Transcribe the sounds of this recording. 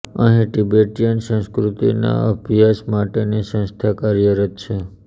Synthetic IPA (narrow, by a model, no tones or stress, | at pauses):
ə̰ɦĩʈibeʈijənsə̃skɾut̪ḭna̰əbʱjasmaʈenisə̃st̪ʰakaɾjəɾət̪t͡ʃʰe